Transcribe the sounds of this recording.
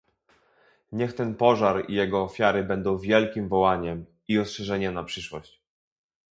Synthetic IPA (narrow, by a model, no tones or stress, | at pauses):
ɲɛxt̪ɛnpɔʐaɾḭjɛɡɔːfʲjaɾɘbɛnd̪ɔ̃w̃vʲjɛlkʲimvɔwaɲɛm | iɔstʂɛʐɛɲɛmnapʂɘʂwɔɕt͡ɕ